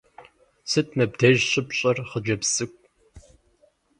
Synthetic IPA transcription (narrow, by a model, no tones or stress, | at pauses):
sɨtʰmɐb̚dʰeʒɕʼɪpɕʼɐrχəd͡ʒɐpsɨkʷʼ